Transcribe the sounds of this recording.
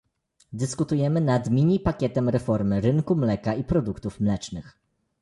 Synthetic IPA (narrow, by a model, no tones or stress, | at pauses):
d̪ɘskut̪ujɛmɘnad̪mʲiɲipakʲɛt̪ɛmɾɛfɔɾmɘɾɘŋkumlɛkaipɾɔd̪ukt̪ufmlɛt͡ʂnɘx